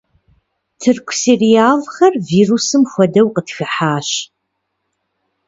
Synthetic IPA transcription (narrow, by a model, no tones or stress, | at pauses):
tʰɨrkʷʰserijaːlxɐrviːrusɨmxʷɔdɐwqətxɨħaːɕ